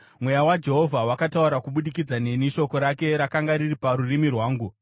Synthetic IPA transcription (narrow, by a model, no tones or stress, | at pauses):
mwe̞jawad͡ʒe̞ɦo̞vʱawakatauɾakuɓuɗikid͡zaneniʃo̞ko̞ɾake̞ɾakaŋɡaɾiripaɾurimirwaːŋɡu